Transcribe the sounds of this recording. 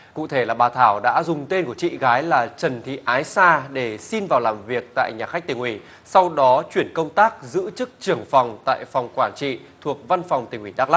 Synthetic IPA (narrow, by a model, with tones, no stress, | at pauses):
kṵ˧˨t̪ʰe˧˩laː˨˩ɓaː˨˩t̪ʰaː˧˩wɗa̰ː˧˥zʊ˨˩ŋ͡mt̪e˧nku˧˩ət͡ɕḭ˧˨ɣaː˨˦jlaː˨˩t͡ɕə˨˩nt̪ʰḭ˧˨ʔaː˨˦jsaː˧ɗe˧˩si˧nvaː˨˩wlaː˨˩mvi˨˩ək̚t̪a̰ː˧˨jɲaː˨˩xa˦˥k̟̚t̪ï˨˩ŋ̟ʔwi˧˩ | sa˧wɗɔ˨˦t͡ɕwi˧˩ənkə˧wŋ͡mt̪aː˦˥k̚zɨ̰˧˥t͡ɕɨ˦˥k̚t͡ɕɨ˨˩əŋfa˨˩wŋ͡mt̪a̰ː˧˨jfɔ˨˩wŋ͡mkwaː˧˩nt͡ɕḭ˧˨ | t̪ʰu˨˩ək̚va˧nfɔ˨˩wŋ͡mt̪ï˨˩ŋʔwi˧˩ɗaː˦˥k̚la˦˥